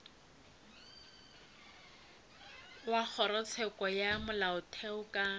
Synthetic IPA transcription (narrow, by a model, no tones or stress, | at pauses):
wak͡xʰɔɾɔt͡sʰɛkʼɔjamʊlaʊtʰɛʊkʼa